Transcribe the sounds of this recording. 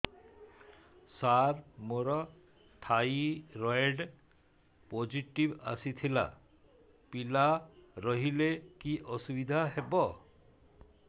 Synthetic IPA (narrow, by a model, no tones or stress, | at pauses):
saɾmoɾɔ | ʈ̪ʰajiɾɔeɖ | pod͡ʒiʈiba̰sit̪ʰila̰ | pilaɾɔɦilekiʔɔsubid̪ʱaɦebɔ